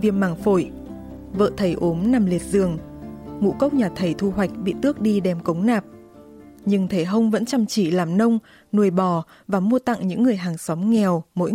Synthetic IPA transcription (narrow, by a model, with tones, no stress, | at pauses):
vi˧əmmaː˨˩ŋfo˧˩j | və̰ː˧˨t̪ʰə˨˩jʔo˨˦mna˨˩mli˨˩ət̚zɨ˨˩əŋŋṵ˧˥kə˦˥wk͡p̚ɲaː˨˩t̪ʰə˨˩jt̪ʰu˧wa˨˩jk̟̚ɓḭ˧˨t̪ɨ˦˥ək̚ɗi˧ɗɛ˨˩mkə˨˦wŋ͡mnaː˨˩p̚ | ɲɨ˧ŋt̪ʰe˧˩ɦə˧wŋ͡mvə̰˧˥nt͡ɕa˨˧˩mt͡ɕi˧˩laː˨˩mnə˧wŋ͡m | nu˨˩əjɓɔ˨˩ | vaː˨˩mu˧ət̪a̰˧˨ŋɲɨ̰˧˥ŋːɨ˨˩əjɦaː˨˩ŋsɔ˨˦wŋ͡mŋɛ˨˩wmo̰˧˥j